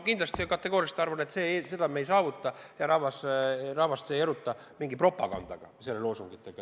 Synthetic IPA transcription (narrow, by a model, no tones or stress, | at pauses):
kind̪lɑst̪ikɑt̪ːˑe̞ɡ̥o̞ːɾijɑst̪ɑrvɑne̞t̪se̞ːse̞d̪̥ɑmejsɑːvut̪ːˑɑjɑɾɑvɑsrɑvɑst̪seːjeɾut̪ːˑɑ | miŋɡipro̞pːˑɑ̰ɡ̥ɑ̰nd̪̥ɑ̰ɡ̥ɑ̰se̞lːelo̞ːsuŋɡ̥it̪ːˑeɡ̥ɑ